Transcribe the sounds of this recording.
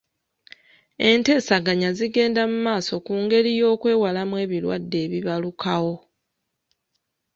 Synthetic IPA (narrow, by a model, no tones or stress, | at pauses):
e̞nte̞ːsaɡaɲaziɡe̞ːndamumaːso̞kuːŋɡe̞ɾijo̞ːkwe̞ːwalamwe̞ːβilwa̰dːe̞ːβiβalukawo̞